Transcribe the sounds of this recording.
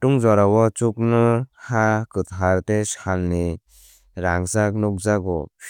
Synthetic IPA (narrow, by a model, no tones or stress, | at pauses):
tuŋzɔɾawɔt͡ʃuk̚nɯhakɯt̪ɦaɾtesalni | ɾaŋsaknɔk̚zaɡɔ̰